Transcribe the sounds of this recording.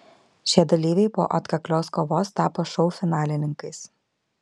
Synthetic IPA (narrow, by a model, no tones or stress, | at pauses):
ʃʲiɛd̪ɐlʲiːʋʲɛɪpo̰ːʔɐt̪kɐklʲoːskoʋoːst̪ɑːpoʃɔʊfʲɪnɑːlʲɪnʲɪŋkɐɪs